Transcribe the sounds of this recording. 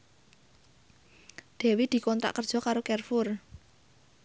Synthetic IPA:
d̪̥e̤wid̪̥i̤kɔnt̪ɾa̰ʔkərd̥ʒ̥ɔ̤kaɾokɛrfʊr

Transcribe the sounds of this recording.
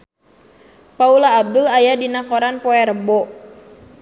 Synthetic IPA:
paulaːb̚dəlajadinakoɾanpɔɛrəbɔʔ

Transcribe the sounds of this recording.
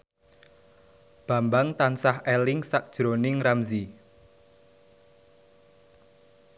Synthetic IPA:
b̥ä̤mbaŋt̪ansahɛlɪŋsak̚d̥ʒ̥ɾonɪŋramzi

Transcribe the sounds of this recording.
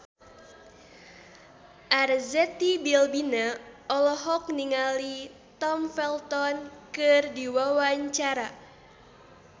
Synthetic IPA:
ʔarzɛt̪ibilbinaɔlɔɦɔk̚niŋali | t̪ɔmfɛlt̪ɔnkɨrdiwawaɲt͡ʃaɾa

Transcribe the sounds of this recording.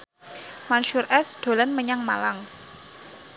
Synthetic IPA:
manʃʊrɛsd̪̥o̤lanməɲaŋmalaŋ

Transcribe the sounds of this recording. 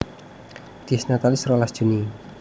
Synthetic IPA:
d̪̥isnat̪alisɾolasd̥ʒ̥ṳni

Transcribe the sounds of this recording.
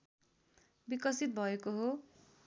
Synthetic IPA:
bikʌsit̪̚bʱʌekoɦo

